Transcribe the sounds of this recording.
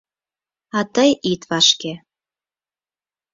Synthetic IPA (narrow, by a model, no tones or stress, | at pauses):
ɑt̪əjit̪βɑʃke